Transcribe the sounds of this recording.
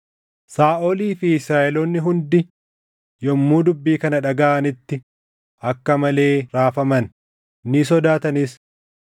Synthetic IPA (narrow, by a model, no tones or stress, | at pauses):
saːʔoliːfɪɪsɾaːʔɛlɔnːɪɦʊnd̪ɪ | jɔmːuːd̪ʊbːiːkɐnɐᶑɐɡaʔɐnɪt̪ːɪ | ʔɐkːɐmɐle̞ːɾaːfɐmɐn | nɪs̬ɔd̪aːt̪ɐnɪs